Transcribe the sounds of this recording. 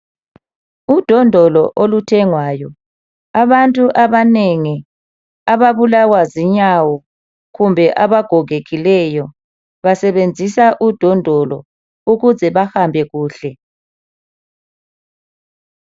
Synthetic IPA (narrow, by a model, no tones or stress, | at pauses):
ud̥ʱɔndʱɔlɔʔolutʰɛŋwaːjɔ | aβantʼuʔaβaneŋi | aβaβulawaziɲawɔ | ɣumbʱɛʔaβaɡ̥ʱɔɣeɣilɛjɔ | βasɛβend͡zʱisaʔud̥ʱɔndʱɔlɔ | uɣuzɛβahambʱɛɣuːɬɛ